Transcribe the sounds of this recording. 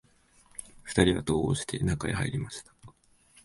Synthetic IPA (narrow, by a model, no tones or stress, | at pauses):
ɸɯ̟̥t̪aɾʲiβa̰t̪o̞ːoːɕi̥t̪ʰe̞̰nakaeha̰ḭɾʲimaɕi̥t̪ḁ